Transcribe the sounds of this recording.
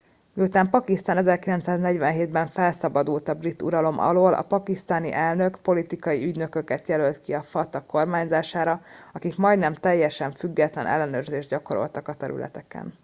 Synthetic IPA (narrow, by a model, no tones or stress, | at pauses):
miut̪aːmpɒkist̪aːnɛzɛrkilɛnt̪saːznɛɟvɛnɦeːd̪bɛɱfɛlsɒbɒd̪uːlt̪ɒbrit̪ːuɾɒlo̞mʔɒ̰loːlʔɒ̰pɒkist̪aːnḭʔɛlnø̞kpo̞lit̪ikɒjiyɟnø̞køkɛt̪jɛlølt̪kiɒfɒt̪ɒkːo̞rmaːɲzaːʃaːɾɒɒkikmɒjd̪nɛmt̪ɛjːɛʃɛɱfyɡːɛt̪lɛnɛ̰lːɛnøːrzeːʒd̪ɟɒko̞ɾo̞̰lt̪ɒkɒt̪ɛɾy̰lʔɛ̰t̪ɛkɛ̰n